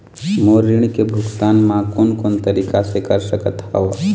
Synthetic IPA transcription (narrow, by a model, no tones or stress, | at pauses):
moːɾiɽ̃ikebʱʊkt̪aːnmãkoːnkoːnt̪əɾiːkasekəɾsəkət̪haʋ